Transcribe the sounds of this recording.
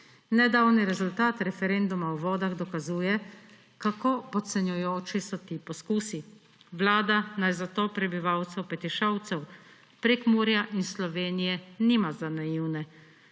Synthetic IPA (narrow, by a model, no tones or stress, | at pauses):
nɛd̪aːwniɾɛzult̪aːt̪ɾɛfɛɾɛnd̪umawʋɔːd̪aɣd̪ɔkazuːjɛ | kakoːpɔt̪sɛnjujoːt͡ʃisɔt̪iːpɔskuːsi | ʋlaːd̪anajzat̪oːpɾɛbiʋawt̪sɛwpɛt̪iʃawt̪sɛw | pɾekmuːɾijaʔinslɔʋeːnijɛniːmazanajiwnɛ